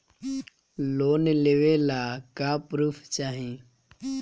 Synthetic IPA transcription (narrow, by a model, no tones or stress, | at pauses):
loːnleʋelaːkaːpɾuːfʰt͡ʃaːɦĩ